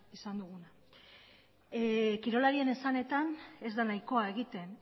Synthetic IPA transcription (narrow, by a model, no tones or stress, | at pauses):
isand̪uɣuna | kiɾo̞laɾie̞ne̞sane̞t̪ane̞zd̪anajko̞ae̞ɣ̞it̪e̞n